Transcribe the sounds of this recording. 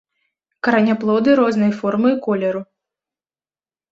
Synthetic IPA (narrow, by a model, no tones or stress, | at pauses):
kɐɾɐnʲaplˠɔd̪ɨɾɔznɨjfɔrmɨkɔlʲɛɾu